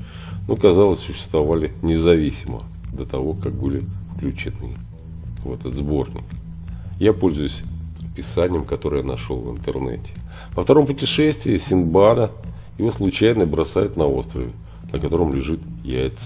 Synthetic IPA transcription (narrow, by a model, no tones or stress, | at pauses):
nukɐzɑlˠəsʲsʊɕːɪ̥st̪vɐvalʲɪnʲɪzɐvʲisʲɪmə̰ | d̪ət̪ɐvo̞kak̚bɨlʲɪfklʲʉt͡ɕɪnɨ̰ | vɛt̪ət̪zbo̞rnʲɪ̰k | japo̞lʲzʊjʊsʲpʲɪsanʲɪjəmkɐt̪o̞ɾɨjənɐʂolˠvɨ̰nt̪ɨrnɛ̰tʲɪ̥ | vəft̪ɐɾo̞mpʊtʲɪʂɛsʲt̪vʲɪəsʲɪnbanə | jɪvo̞slˠʊt͡ɕæjnəbɾɐsajɪt̪nɐo̞̰st̪ɾəvʲɪ | nəkɐt̪o̞ɾəmlʲɪʐɨt̪ja̰ɪt̪s